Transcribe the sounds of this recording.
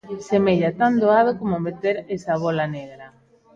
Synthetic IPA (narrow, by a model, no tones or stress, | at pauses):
semeʎat̪and̪oaðokomomet̪eɾesaβolɐneɣɾɐ